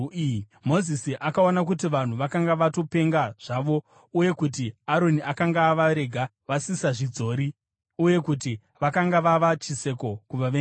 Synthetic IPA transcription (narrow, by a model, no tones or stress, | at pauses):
mo̞zisiʔakaonakutiʋan̤uʋakaŋɡaʋato̞pe̞ŋɡaʐ̥aːʋo̞ | uje̞kut̬iaɾo̞niʔakaŋɡaːʋaɾe̞ɡʱa | ʋasisaʐid͡zo̞ːɾi | uje̞kuti | ʋakaŋɡaʋaʋat͡ʃise̞ko̞kuʋaʋe